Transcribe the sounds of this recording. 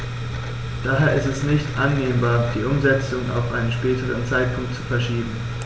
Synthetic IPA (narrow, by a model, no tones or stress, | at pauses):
d̥aːɦeːɐɪstɛsnɪçtʔanːeːmbaːɐd̥iːʔʊmzɛt͡sʊŋa̰ʊfʔaɪnənʃpɛːtəʁənt͡saɪt̚pʰʊŋk̚tt͡su̥fɛɐʃiːbm̩